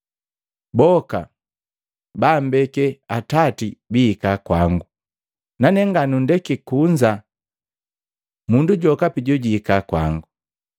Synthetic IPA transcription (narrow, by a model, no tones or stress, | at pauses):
bɔka̰ | baːm̩bɛkɛatatibiːkakwaŋɡu | nanɛŋɡanundɛkikuɲd͡ʒa | munduɟɔkapiɟɔɟiːkakwa̰ŋɡu